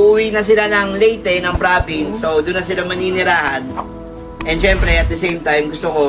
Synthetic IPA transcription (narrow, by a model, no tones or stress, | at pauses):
uːwinɐs̬ɪlanɐŋlejt̪ɛnɐŋpɾaːpinsowd̪ʊnːɐsɪlamɐninɪɾaːhɐn | ʔɛnd̪ʃɛmpɾɛɐt̪d̪ɐsejmt̪ajmɡʊst̪oko